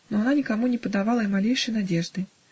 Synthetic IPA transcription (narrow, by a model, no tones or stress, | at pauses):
nɔjananʲikamunʲɛpɐd̪avalˠɐimalʲejʂɐjnad͡zʲɛʐd̪ɨ